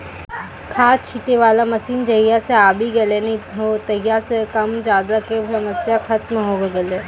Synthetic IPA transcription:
kʰaːt͡ʃʰiʈeʋaːlamɐsiːnd͡ʒɐɦijaseaːbʱiɡɐlenɐĩɦot̪ɐɦjasekɐmd͡ʒjaːd̪akebʱɐməsjaxɐt̪mɦoːɡeɡɐleː

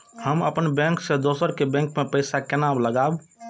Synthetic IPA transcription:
həməpənbɛ̃ːŋksed̪oːsəɾkebɛ̃ːŋkmepəɪsakenabləɡaːb

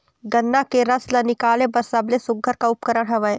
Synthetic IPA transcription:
ɡɐnːakeɾɐslanɪkaːlẽpɐɾsɐblesʊɡʱəɾkaʊp̚kəɾəɽɦɐʋəe

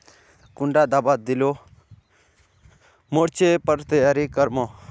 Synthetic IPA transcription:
kʊɳɖaːd̪aːbaːd̪̚d̪ɪloː | moːɽt͡ʃepəɾt̪əjaːɾikəɾmɔ̃ː

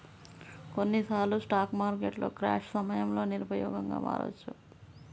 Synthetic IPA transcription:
konːisaːlusʈaːkmaːɾkeʈloːkɾa̰ːʂsɐmɐjɐmlo̞ːniɾupɐjɔːɡɐŋɡa̰ːma̰ːɾṵːt͡ʃʰːu

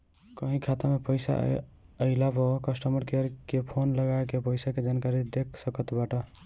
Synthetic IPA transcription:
kəɦĩkʰat̪amepəjsa̰ | əɪlabokəsʈəməɾkeəɾkepʰonləɡaekepəɪsaked͡ʒankaɾid̪ekʰsəkət̪baʈɔ

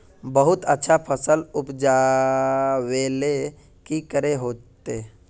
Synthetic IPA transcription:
bəɦʊt̪ətːʃʰapʰəsəlʊpd͡ʒa | weːle | kikəɾeɦoːt̪e

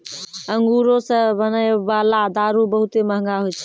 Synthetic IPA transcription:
əŋɡuɾosə̃bənəjbalad̪aɾubəɦut̪eməɦə̃ŋɡaɦojt͡ʃʰ

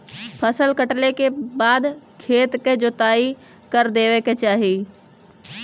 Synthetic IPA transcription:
pʰɐsəlkəʈlekebaːd̪kʰeːt̪ked͡ʒot̪aːi | kɐɾd̪eːʋeket͡ʃaːɦiː

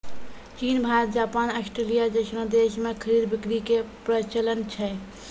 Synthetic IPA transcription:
t͡ʃinbʱaɾət̪̚d͡ʒaːpaːnəsʈɾelijad͡ʒəsnə̃d̪eʃmekʰəɾid̪bikɾikepɾət͡ʃələnt͡ʃʰɛ

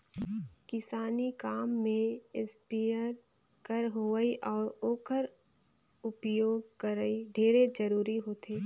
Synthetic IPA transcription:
kɪsaːnikaːmːẽɪspiəɾ | kəɾɦoʋəiʔɔːɾoːkəɾ | ʊpjoːɡkəɾəiɖʱeːɾed͡ʒəɾuːɾiɦoːt̪ʰeː

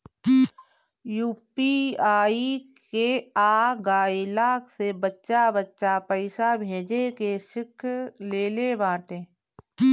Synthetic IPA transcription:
juːpiaːik | eaːɡaːilaːkʰsebətːʃabətːʃapəɪsabʱeːd͡ʒekeʃɪkʰleːlebaːʈẽː

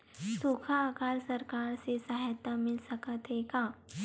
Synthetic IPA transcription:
sukʰaːkaːlsɐɾkaːɾsesaɦjt̪əmɪlsəkət̪ɦekaː

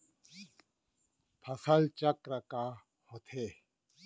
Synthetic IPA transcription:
pʰɐsɐlt͡ɕɐkɾɐkaː | hot̪ʰeː

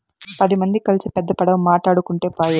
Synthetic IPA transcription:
pɐd̪imɐnd̪ikɐlisipɛd̪ːɐpɐɽɐmːaːʈaːɽukuɳʈeːpaːjɐ

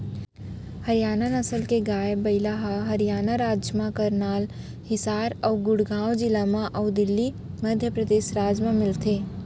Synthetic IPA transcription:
hɐɾjaːnanɐsəlkeɡaːjbɐɪlaɦaɦɐɾijaːnaɾaːd͡ʒjəmãkəɾnaːl | hɪsaːɾɔːɡʊɽɡãːwd͡ʒɪlamãʔɔːd̪ɪlːi | mɐd̪ʱjəpɾəd̪eːʃɾaːd͡ʒmãmɪlt̪ʰeː

